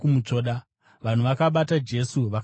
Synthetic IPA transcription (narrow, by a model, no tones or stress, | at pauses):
umut͡ʂo̞ːɗa | ʋan̤uʋakaɓatad͡ʒe̞suʋak